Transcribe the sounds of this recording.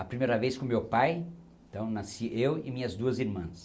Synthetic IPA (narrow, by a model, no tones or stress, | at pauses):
ɐpɾimejɾɐveskõmewpaj | t̪ɐ̃w̃nasiʔewɪmĩɲɐzd̪uɐziɾmɐ̃s